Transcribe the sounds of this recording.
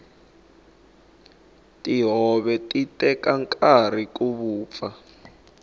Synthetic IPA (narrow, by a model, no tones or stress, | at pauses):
tiɦɔβɛtʼitʼɛkaŋkʼar̤ik̬uβuːp̪fa